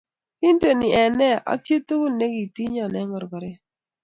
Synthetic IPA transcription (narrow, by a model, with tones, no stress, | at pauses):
ki˦nte˨nɪ˨ɛ˨nɛ˦a̰˦tje˦to˦ko˦ne˦ɡi˨ti˦ɲɔ˨nɛ˦ŋɔ˨ɾɡɔ˨ɾɛ˦